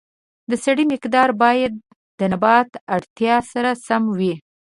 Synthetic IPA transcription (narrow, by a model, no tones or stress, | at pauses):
d̪əsaɽimɪqd̪ɑɾbɑjad̪ː | ənabɑt̪aɽt̪jɑsaɾasamwi